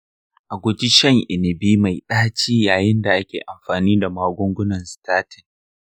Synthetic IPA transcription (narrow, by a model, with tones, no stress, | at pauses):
ʔa˨ɡʷʊ˦t͡ʃi˦ʃɐ˦˨ŋʔɪ˨nɪ˨biː˦ma˨jɗaː˦t͡ʃiː˦jaː˨jɪ˦nda˨ʔa˦kʲeː˨ʔa˨mɸaː˨niː˦da˨maː˦ɡʷʊ˦ŋɡʷʊ˦nɐ˨nstaː˦tɪ˨n